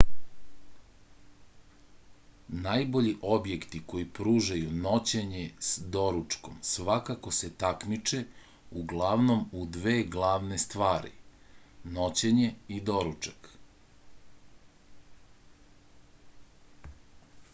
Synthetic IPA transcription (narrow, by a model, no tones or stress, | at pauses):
naːjbo̞ʎiʔo̞bje̞kt̪iko̞jipɾuːʒajuno̞t͡ɕeɲesd̪o̞ɾut͡ʂko̞msʋakako̞set̪akmit͡ʃe̞ | uɡlˠaʋno̞mud̪ʋe̞ːɡlˠaːʋnest̪ʋaːɾḭ | no̞t͡ɕeɲe̞id̪o̞ɾut͡ʃak